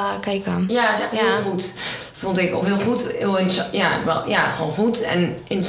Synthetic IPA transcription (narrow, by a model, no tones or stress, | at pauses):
kajkanjaɪsɛχthɪlˠχut | fontɪko̰fɦɪlˠχutɪlˠɪnsjaʋɛ̰jaχʋo̰ːnχutɛ̰nɪn